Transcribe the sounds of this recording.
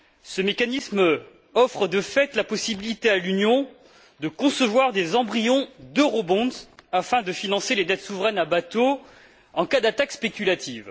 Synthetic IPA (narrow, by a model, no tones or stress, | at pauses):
səmekanism | ɔfχəd̪əfɛt̪lapɔsibilit̪ealynjɔ̃ | d̪əkɔ̃səvwaʁd̪ezɑ̃bʁijɔ̃d̪əʁobɔ̃zafɛ̃d̪əfinɑ̃seled̪ɛt̪suvʁɛnabat̪o | ɑ̃kad̪at̪akspekʲylat̪iv